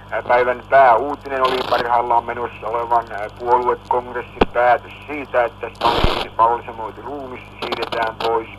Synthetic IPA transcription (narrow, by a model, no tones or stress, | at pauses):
pæiʋænpæːuːt̪inenolipɑrhɑilːɑːmmenosːæoleʋɑnpuoluekkoŋkresːimpæːt̪øssiːt̪æet̪ːæst̪oliiipɑolːisemoit̪iruːmist̪siːret̪æːmpois